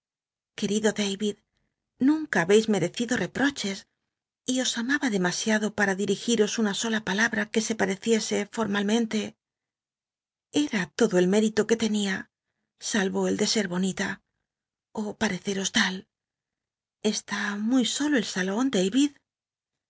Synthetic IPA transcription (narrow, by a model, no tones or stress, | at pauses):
ke̞ɾiðo̞ðejβið | nũŋkaːβe̞jzme̞ɾe̞θiðo̞re̞pɾo̞t͡ʃe̞s | io̞samaβaðe̞masjaðo̞paɾaðiɾixiɾo̞sunaso̞lapalaβɾake̞se̞paɾe̞θje̞se̞fo̞ɾmalmẽ̞nt̪e̞ | e̞ɾat̪o̞ðoe̞lme̞ɾit̪o̞ke̞t̪e̞nia | salβo̞eld̪e̞se̞ɾβo̞nit̪a | opaɾe̞θe̞ɾo̞st̪al | est̪amujso̞loe̞lsalo̞nd̪ejβið